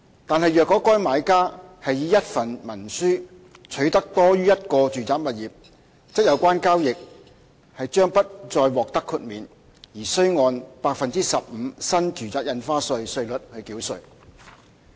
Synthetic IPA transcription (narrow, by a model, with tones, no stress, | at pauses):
t̪aː˨nhɐ˨jjœː˨kːɔː˨˥kɔː˥jmaː˨˧jkaː˥hɐ˨jjiː˨˧jɐ˥t̚fɐ˨nmɐ˨˩nsyː˥ | t͡ʃʰɵ˨˥ɥt̪ɐ˥k̚t̪ɔː˥ɥyː˥jɐ˥t̚kɔː˧t͡ʃyː˨t͡saː˨˧k̚mɐ˨t̚jiː˨p̚ | t͡sɪ˥k̚jɐ˨˧wkʷaː˥nkaː˥wjɪ˨k̚ | hɐ˨jt͡ʃœː˥ŋpɐ˥t̚t͡ʃɔː˧jwɔː˨k̚t̪ɐ˥kʰːu˧t̚miː˨˩n | jiː˨˩sɵ˥ɥŋɔː˧npaː˧k̚fɐ˨nt͡siː˥sɐ˨p̚m̩˨˧sɐ˥nt͡ʃyː˨˩t͡saː˨˧k̚jɐ˧nfaː˥sɵ˧ɥsɵ˧ɥlɵ˨t̚hɵ˧kiː˨˥wsɵ̰˨j